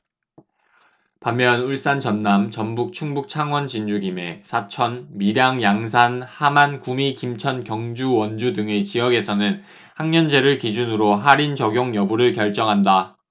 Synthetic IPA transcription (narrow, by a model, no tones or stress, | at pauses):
pamːjʌnuɭs͈ant͡ɕʌnːamt͡ɕʌmbuk̚t͡ɕʰuŋbuk̚t͡ɕʰaŋwʌnt͡ɕind͡ʑuɡime̞sʰat͡ɕʰʌnmiɾjaŋjaŋsʰanhamankumikimt͡ɕʰʌnkjʌŋd͡ʑuwʌnd͡ʑudɯŋet͡ɕijʌɡe̞sʰʌnɯn | haŋɲʌnd͡ʑe̞ɾɯɭkid͡ʑunɯɾoɦaɾint͡ɕʌɡjoŋjʌbuɾɯɭkjʌɭt͡ɕ͈ʌŋɦanda